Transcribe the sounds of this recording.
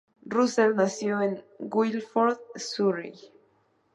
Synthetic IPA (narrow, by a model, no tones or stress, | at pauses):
ruselnasjoeŋ | ɡwilfoɾðsuɾi